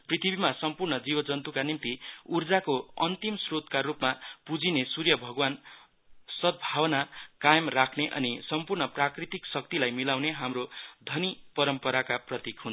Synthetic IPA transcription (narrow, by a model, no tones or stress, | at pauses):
prit̪ʰibimasʌmpurnʌd͡zibʌd͡zʌnt̪ukanimt̪iurd͡zakoʌnt̪imsrot̪karupmapud͡zinesurjʌbʱʌɡwan | sʌd̪̚bʱawʌnakajʌmrakʰneʔʌ̰nisʌmpurnʌprakrit̪iksʌk̚t̪ilajmilawneɦamɾod̪ʱʌnipʌɾʌmpʌɾakaprʌt̪ikɦun